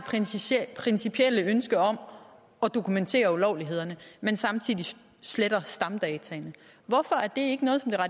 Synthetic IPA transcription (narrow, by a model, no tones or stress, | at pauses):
pʰʁɛnsipʰiel̰əønsɡ̥əɒ̽m | ɒ̽d̥o̝kʰument͡sʰe̝̰ːɐulɒʊliɦe̝ð̞̰ˠɐnəmensɑ̈mt͡sʰið̰ˠi | sleɾɐsd̥ɑ̈md̥ɛːt͡sʰɛnə | ʋɒfɒ̽æɐd̥e̝e̝ɡ̥ənɔ̽ːð̞̩ˠɒ̽md̥e̝ʁɑ̈